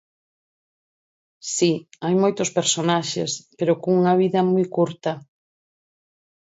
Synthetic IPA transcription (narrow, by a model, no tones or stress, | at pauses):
siajmojt̪ʊspeɾsonaʃḛspeɾokoŋuŋɐβ̞iðɐmujkuɾt̪ɐ